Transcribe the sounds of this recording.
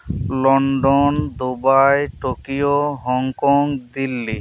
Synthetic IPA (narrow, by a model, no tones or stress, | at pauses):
lɔɳɖond̪ubajʈokioɦɔŋkɔŋd̪ilːi